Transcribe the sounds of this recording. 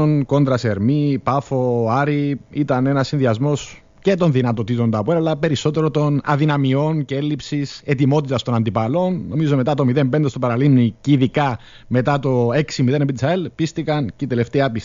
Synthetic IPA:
onko̞nd̪ɾɐseɾmipɐfoɐɾiit̪ɐne̞nɐsːinðiɐzmo̞s | ce̞t̪o̞nðinɐt̪o̞t̪it̪o̞nd̪ɐpueɾɐlːɐpe̞ɾiso̞t̪e̞ɾo̞t̪o̞nɐ̰ðinɐmio̞nceelːipsise̞t̪imo̞t̪it̪ɐst̪o̞nɐnd̪ipɐlo̞nːo̞mizo̞me̞t̪ɐt̪o̞miðe̞mbend̪est̪opɐɾɐlimniciðikɐme̞t̪ɐt̪o̞e̞ksimiðe̞nepit̪isɐelpist̪ikɐncet̪eleft̪eɐpis

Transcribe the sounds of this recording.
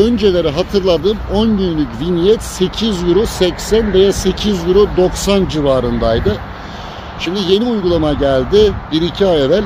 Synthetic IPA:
ønd͡ʒe̞lʲe̞ɾɛɦat̪ʰɯɾlˠad̪ɯːmo̞nɟynlʲycvinijɛt̪se̞cʰizjyɾosɛcsænve̞jase̞cʰizjyɾod̪o̞ksand͡ʒivaːɾɯnd̪ajd̪ɯ | ʃimd̪ije̞niujɡulˠamaɟælʲd̪ɪbiɾicʰiajevælʲ

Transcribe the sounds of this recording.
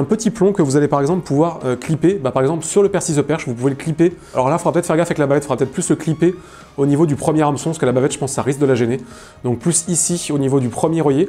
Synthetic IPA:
ɛ̃pət̪iplɔ̃kəvuzalepaʁɛɡzɑ̃pləpuvwaʁøklipebapaʁɛɡzɑ̃plsyʁləpɛʁsisəpɛʁʃvupuveləklipe | alɔʁlafodʁapət̪ɛt̪fɛʁɡafaɛklabavɛt̪fdʁpət̪ɛt̪χplysləklipe | onivod̪ypχəmjɛʁamsɔ̃skəlabavɛt̪ʒəpɑ̃skːsaʁisk̚d̪əlaʒene | d̪ɔ̃k̚plysisionivod̪ypχəmjeʁəje

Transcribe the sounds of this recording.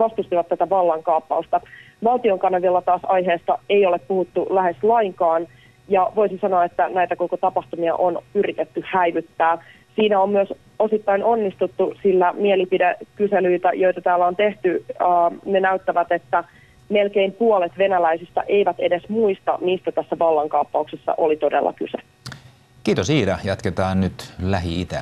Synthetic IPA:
ʋɑst̪ust̪iʋɑt̪ːæt̪æʋɑlːɑŋkɑːpːɑust̪ɑ | ʋɑlt̪ioŋkɑnɑʋilːɑt̪ɑːsɑjɦeːst̪ɑe̞jo̞leppuhut̪ːulæhe̞slɑiŋkɑːn | jɑʋo̞isisɑnoɑet̪ːænæjt̪æko̞kot̪ɑpɑht̪umiɑ̰ʔonyɾit̪et̪ːyhæiʋyt̪ːæː | siːnæommyøs | o̞sit̪ːɑino̞nːist̪ut̪ːusilːæmielipidekyselyit̪æjo̞jt̪ɑt̪æːlːæont̪eht̪yː | nenæyt̪ːæʋæt̪et̪ːæ | me̞lkeimpuolet̪ʋe̞nælæisist̪æ̰ʔe̞iʋæt̪e̞desmuist̪ɑ̰niːst̪æt̪æsːæʋɑlːɑŋkɑupːɑuksesːɑ̰ʔolit̪o̞dḛlːɑ̰kyse | kiːt̪osiːdæjɑt̪ket̪ɑːnnyt̪læɦiit̪æ̰

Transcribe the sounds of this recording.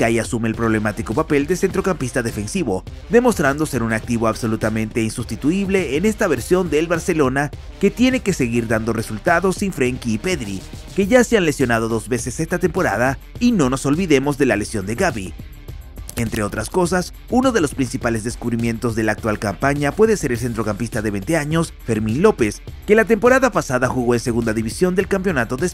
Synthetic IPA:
kajasumeːlpɾoβle̞mat̪iko̞pape̞ld̪ese̞nt̪ɾo̞kampist̪aðe̞fe̞nsiβo̞ | ðe̞mo̞st̪ɾand̪o̞se̞ɾunak̚t̪iβo̞aβso̞lut̪amẽ̞nt̪e̞insust̪it̪uiβle̞ːne̞st̪aβe̞ɾsjo̞nd̪elβaɾse̞lo̞na | ke̞t̪je̞ne̞ke̞se̞ɣiɾðand̪o̞re̞sult̪aðo̞siɱfɾeŋkiːpe̞ðɾike̞ʝaseanle̞sjo̞nað̞o̞ðo̞zβe̞se̞se̞st̪at̪e̞mpo̞ɾað̞a | ino̞no̞so̞lβiðe̞mo̞zðe̞lale̞sjo̞nd̪e̞ɣaβi | e̞nt̪ɾe̞o̞t̪ɾasko̞sas | uno̞ðe̞lo̞spɾinsipale̞zðeskuβɾimje̞nt̪o̞zðe̞laːk̚t̪walkampaɲapwe̞ðese̞ɾels̬ent̪ɾo̞kampist̪aðeβe̞jnt̪e̞aɲo̞s | fe̞ɾmĩnlo̞pe̞ske̞lat̪e̞mpo̞ɾaðapasaðaxuɣo̞ense̞ɣund̪aðiβisjo̞nd̪e̞lkampjo̞nat̪o̞ðes

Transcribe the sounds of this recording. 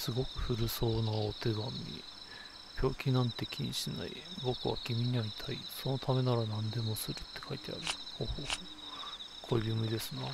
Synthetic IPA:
sɨɡo̞kɯ̟̥ɸɯ̟ɾɯ̟so̞ːnaot̪e̞ɡamʲḭ | bʲjo̞ːkʲinãnt̪e̞kʲʰiɲ̟ḭɕina̰ḭbo̞kɯβa̰kʲimʲiɲ̟iait̪ʰaiso̞no̞t̪ʰame̞naɾanãnd̪e̞mo̞sɨɾɯ̟t̪ːe̞̥kʰait̪e̞a̰ɾɯhoːhoːo | kʰobʲɯmɯid̪e̞sɨna

